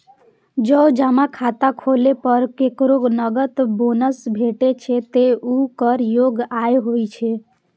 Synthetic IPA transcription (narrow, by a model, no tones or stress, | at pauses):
d͡ʒəd͡ʒamakʰat̪akʰolepəɾkekɾonəɡət̪bonəsbʱeʈet͡ʃʰɛt̪eukəɾjoɡajɦojt͡ʃʰɛ